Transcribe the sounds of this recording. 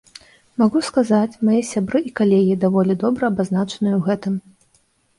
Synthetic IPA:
maɣuskazat͡sʲmajɛsʲabɾɨʔikalʲeɣʲid̪avɔlʲid̪ɔbɾɐːbaznat͡ʂɐ̥nɨjuwɣɛt̪ɨm

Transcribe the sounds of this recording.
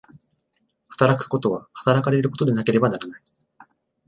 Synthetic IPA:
hḁt̪aɾakɯ̟̥ko̞t̪o̞βahḁt̪aɾakaɾe̞ɾɯ̟ko̞t̪o̞d̪e̞nake̞ɾe̞banaɾanai

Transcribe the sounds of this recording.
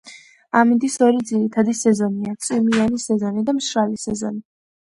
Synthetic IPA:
amind̪isɔɾid̪ziɾit̪ʰad̪isɛzɔniat̪sʼimianisɛzɔnid̪amʃɾalisɛzɔ̰ni

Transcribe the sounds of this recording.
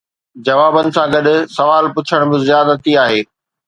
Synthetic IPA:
d͡ʑɐʋaːbənɪ̆sãɡɐɗʊ̆sɐʋaːlpʊt͡ɕʰəɽ̃bɪzɪjaːd̪at̪ʰiaːɦeː

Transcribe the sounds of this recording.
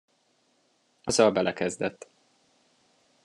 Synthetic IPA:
ɒzɒlbɛlɛkɛzd̪ɛt̪ː

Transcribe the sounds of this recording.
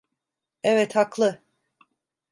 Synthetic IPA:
ɛvɛt̪haklˠɯ

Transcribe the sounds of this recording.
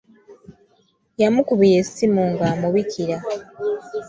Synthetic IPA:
jamukuβijesimuːŋɡaːmuβikʰiɾa

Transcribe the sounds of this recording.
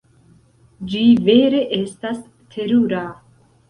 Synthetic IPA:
d͡ʒiveɾeʔest̪as | t̪ʰe̞ɾuɾa

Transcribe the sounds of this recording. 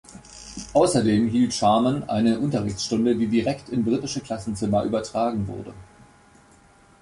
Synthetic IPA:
ʔaʊsɐdeːmɦiːltʃaɐmanʔa̰ɪnəʔʊntɐʁɪçt͡ssʃtʊndədiːdiʁɛktʰɪnbʁitɪʃəkl̥asn̩t͡sɪmɐʔy̰ːbɐtʁ̥aːɡŋ̩vʊ̰ɐdə̰

